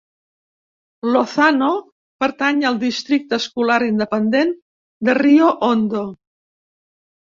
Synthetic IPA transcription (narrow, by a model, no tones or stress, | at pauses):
loθano | pəɾt̪aɲəlˠd̪ist̪ɾik̚t̪əskulaɾind̪əpənd̪en | d̪ərioʔond̪o